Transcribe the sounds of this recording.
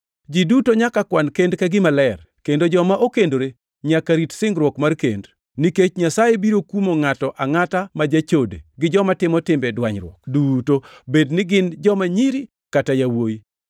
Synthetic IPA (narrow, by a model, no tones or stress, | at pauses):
d͡ʒidutoɲakakwankendkaɡɪmalɛr | kendod͡ʒɔmaʔokendoɾe | ɲakaɾitsɪŋɡɾwɔkmarkḛnd | niket͡ʃɲasajebiɾokumoŋatɔʔaŋatamad͡ʒat͡ʃodḛɡɪd͡ʒɔmatɪmɔtɪmbɛdwaɲɾwɔ̰kdutobednɪɡɪnd͡ʒɔmaɲiɾi | katajawoji